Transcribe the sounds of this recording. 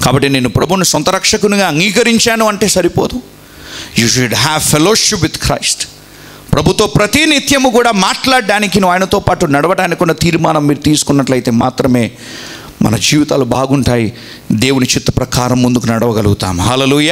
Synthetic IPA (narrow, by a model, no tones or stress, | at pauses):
kaːbɐʈːine̞ːnupɾɐbʱunusɔnt̪ɐɾɐkʂɐkunuɡaːɐŋɡiːkɐɾiɲt͡ʃaːnuɐɳʈeːsɐɾipoːd̪u | juːʃuɖɦæʋfʰeloːʃipʋid̪kɾɐ̰jsʈ | pɾɐbʱut̪ːoːpɾɐt̪init̪jɐmukuːɽaːmaːʈlaːɖːaːnikinuaːjɐnɐt̪o̞ːpaːʈunɐɽɐʋɐɽaːnikkːuɳɖat̪iːɾmaːnɐmːiːɾut̪iːsu̥kunːɐʈlɐjt̪e̞ːmaːt̪ɾɐme̞ː | mɐ̰nɐd͡ʒiːʋit̪aːlubaːɡuɳʈaːji | d̪e̞ːwunit͡ʃit̪ːɐ̥pɾɐkaːɾɐmːund̪ukunɐɽɐʋɐɡɐluɡut̪a̰ːmuɦaːleːluːjaː